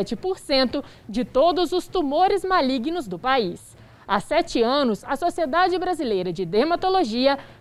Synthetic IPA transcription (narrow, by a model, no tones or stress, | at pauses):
t͡ʃɪpoɾsẽnt̪ʊ | d͡ʒɪt̪od̪ʊzʊst̪umoɾɪzmaliɡnʊzd̪ʊpais | asɛt͡ʃɪɐ̃nʊsɐsosied̪ad͡ʒɪbɾazilejɾɐd͡ʒɪd̪eɾmat̪oloʒiɐ